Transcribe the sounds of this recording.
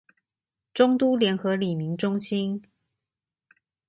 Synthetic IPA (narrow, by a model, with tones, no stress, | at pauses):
ʈ͡ʂʊ˥ŋt̪u˥ljɛ˧˥nxɤ˨˦li˨˩mi˨˦ŋʈ͡ʂʊ˥ŋɕi˦˥n